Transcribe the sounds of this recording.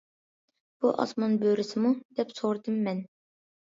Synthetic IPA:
b̥uʔɑ̰smɑnbøɾɪsɪmud̪̥ɛpsoɾd̪ɨmːɛn

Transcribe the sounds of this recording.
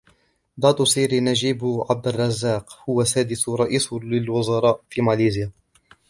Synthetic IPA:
d̪ˤɑːt̪ˤʊsˤiːɾinad͡ʒiːbʕab̚d̪arˤːɑzːaːqhʊwasaːd̪ɪsɾˤɑʔiːslɪlwʊzɑɾˤɑːʔfiːmaliːzɪjaː

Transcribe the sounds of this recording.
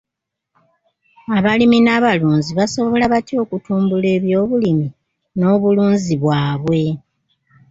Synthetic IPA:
aβaliminaːβaluːnziβaso̞βo̞laβatjo̞ːkutuːmbule̞ːβjo̞ːβulimi | no̞ːβuluːnziβwaːβwe̞

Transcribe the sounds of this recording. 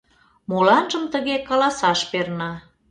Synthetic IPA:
molɑnʒəmt̪əɣekɑlɑsɑʃpernɑ

